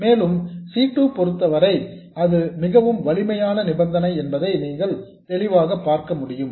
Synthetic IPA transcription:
meːlɯmsiːʈːupɔɾɯt̪ːɐʋɐɾɐɪ | ɐðɯmɪɣɐʋɯmʋɐɭɪmɐjaːnɐnɪbɐnd̪ɐnɐɪɛnbɐðɐɪniːŋɡɐɭ | t̪ɛɭɪʋaːɣɐpːaːɾkɐmʊɽɪjɯm

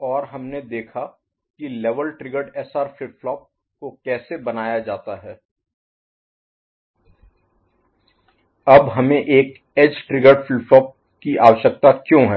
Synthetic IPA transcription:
ɔːɾɦɐmned̪eːkʰa | kileːʋəlʈɾɪɡəɾɖɛsaːɾfʰɪflɔːp̚ | kokɛːsebɐnaːjad͡ʒaːt̪aɦɛː | ɐbɦɐmẽʔeːk | ɛt͡ʃʈɾɪɡəɾɖfɪflɔːp̚ | kiʔaːʋəʃək̚t̪akjõːɦɛː

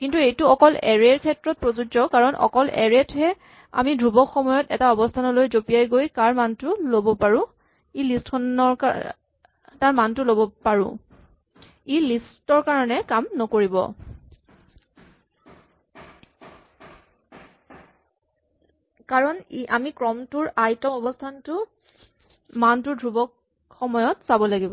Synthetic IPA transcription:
kintuejtʊɔkɔlɛɹeɹkʰɛtɹɔt̚pɹozud͡ʒɔkaɹɔnʔɔ̰kɔlʔɛ̰ɹɛtɦɛ | a̰midʱɹubɔxɔmɔjɔtɛtaɔbɔstʰanɔlojzopijajɡojkaɹmantʊlobɔpaɹʊ̃ | ilistkʰɔnɔɹk | taɹmantʊlobɔpaɹʊ̰̃ | ilistɔɹkaɹɔnɛkamnɔkoɹibɔ̰ | kaɹɔnʔamikɹɔmtʊɹajtɔɔbɔstʰantʊ | mantʊɹdʱɹubɔk | xɔmɔjɔtsabɔlaɡibɔ

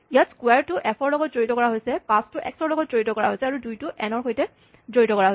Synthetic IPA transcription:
ijatskwɛaɹtʊʔɛpʰɔɹlɔɡɔtzoɹitɔkɔɹaɦojsɛpãstʊʔɛ̰ksɔɹlɔɡɔtzoɹitɔkɔɹa̰ɦojsɛaɹudujtʊʔɛnɔɹxojtɛ | zoɹitɔkɔɹaɦoj

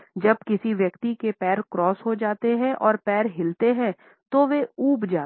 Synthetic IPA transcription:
d͡ʒɐbkɪsiʋjɐkt̪ikepɛːɾkɾɔːsɦod͡ʒaːt̪eɦɛ̃ʔɔːɾpɛːɾɦɪlt̪eɦɛ̃ | t̪oʋeuːbd͡ʒaː

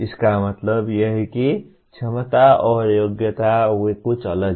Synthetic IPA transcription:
iskamʌt̪lʌbjʌɦiki | t͡sʰemʌt̪aʌjoɡjʌt̪aekot͡sʌlʌ

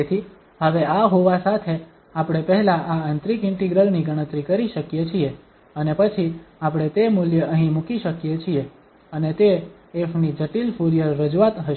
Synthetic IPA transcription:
et̪ʰi | ɦəʋeaɦoʋasat̪ʰe | apɽ̃epəɦɛlaʔaənt̪ɾikɪɳʈiɡɾəlniɡəɽ̃ət̪ɾikəɾiʃəkjet͡ʃʰie | ənepət͡ʃʰiapɽ̃et̪emuljəʔəɦĩmukiʃəkjet͡ʃʰie | ənet̪eː | fnid͡ʒəʈilfuɾijəɾːəd͡ʒuat̪ɦəʃ

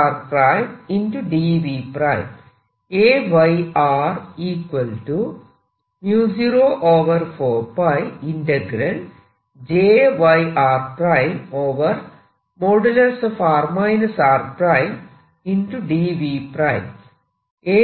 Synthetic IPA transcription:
ɾpɾajminʈuɖiʋipɾajm | eːʋɐjaːriːkʋɐlʈu | mjuːsiɾoːʔoːʋɐɾfoːpɐjinɖeɡɾɐl | d͡ʑeːʋɐjʔaːrprajmoːʋɐɾ | moːɖɐlɐrsofaːrmɐjnɐsaːrpɾajm | inʈuɖiʋipɾajm | eː

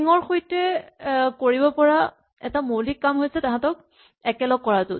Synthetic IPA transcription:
ŋɔɹxojtɛ | koɹibɔpɔɹa | ɛtamolikːamɦojsɛtaɦãtɔk̚ | ɛkɛlɔɡ̚ːɔɹatʊ

